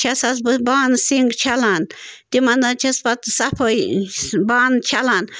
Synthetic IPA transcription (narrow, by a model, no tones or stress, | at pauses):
t͡ʃʰasas̬bbaːnsiŋɡt͡ʃʰalant̪imɐnd̪at͡ʃʰɐspat̪sapʰəjbaːnt͡ʃʰalan